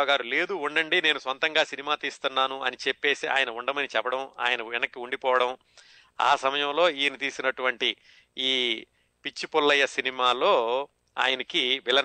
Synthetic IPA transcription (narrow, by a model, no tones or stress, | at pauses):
ɡaːɾule̞ːd̪uuɳɖɐɳɖine̞ːnusʋɐnt̪ɐŋɡaːsinimaːt̪iːst̪unːaːnuɐnit͡ʃe̞pːe̞ːsia̰ːjɐnɐuɳɖɐmɐnit͡ʃɛpːɐɽɐma̰ːjɐnɐɛnɐkːiuɳɖipɔːʋɐɽɐm | a̰ːsɐmɐjɐmlo̞ːiːnit̪iːsinɐʈuʋɐɳʈi | iː | pit͡ʃːipulːɐjɐsinimaːlo̞ː | a̰ːjɐnɐkiʋɛlːɐ